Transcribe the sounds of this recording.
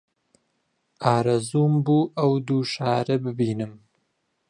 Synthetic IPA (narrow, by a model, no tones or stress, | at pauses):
ʔaːɾɐzuːmbuːʔɐwd̪uːʃaːɾɨbɨbiːnɨm